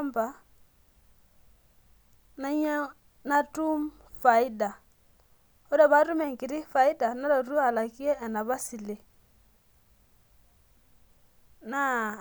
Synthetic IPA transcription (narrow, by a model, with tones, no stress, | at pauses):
mba˨ | na˦ɲ˦ | na˦tu˦m | fa˨i˦da˨ | ɔ˦da˦˨βa˦ɾu˦mɛ˨ŋ˨ki˨ɾi˦fa˨i˦da˨na˦ɾa˨ɾu˦a˨la˨ki˦ɛ˦ʔɛ˨na˨βa˦si˨le˨ | na˦